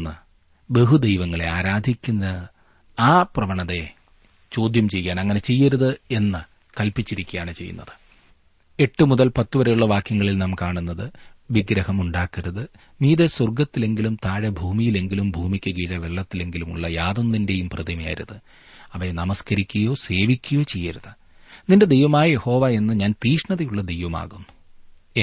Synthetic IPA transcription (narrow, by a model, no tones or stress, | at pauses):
nːɨ | be̞ɦud̪ejʋɐŋːɐɭe̞̰aːɾaːd̪ʱikʲːunːɐ | aːprɐʋɐɳɐðe̞ | t͡ɕo̞ːd̪ʱjɐmt͡ɕe̞jːɐaːnɐŋːɐne̞t͡ɕe̞jːɐɾuðɨe̞nːɨ | kɐlpit͡ɕːiɾikʲːujaːɳɨt͡ɕe̞̰jːṵnːɐ̰ðɨ̥ | e̞ʈːɨmuðɐlpɐt̪ːuʋɐɾejuɭːɐʋaːkjɐŋːɐɭilnɐːmkaːɳunːɐðɨʋiɡɾɐhɐmuɳɖaːkːɐɾuðɨ | miːðeswɐrɡɐt̪ːile̞ŋɡilumt̪aːɻɐbʱuːmijile̞ŋɡilumbʱuːmikʲːuɣiːɻɐʋe̞ɭːɐt̪ːile̞ŋɡilumṵɭːɐjaːðunːinde̞jumprɨðimɐja̰ːɾṵðɨ | ɐʋenɐmɐskɐɾikʲːujo̞ːse̞ːʋikʲːujo̞ːt͡ɕejːɐɾuðɨ | ninde̞d̪ejʋɐmaːjɐje̞ho̞ːʋae̞nːɨɲaːnt̪iːʂɳɐðɐjuɭːɐd̪e̞jʋɐma̰ːɣunːu̥